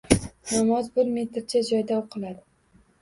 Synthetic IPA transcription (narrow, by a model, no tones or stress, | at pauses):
namɒzbɪɾme̞t̪ɾt͡ʃʰad͡ʒɒjd̪aoqʰɨlˠad̪ɪ